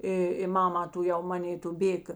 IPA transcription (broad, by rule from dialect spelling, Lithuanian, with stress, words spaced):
ˈɪ ɪ ˈmɑːmɐ tʊˈjɛʊ ˈmɑːnʲeː tʊ ˈbʲeːk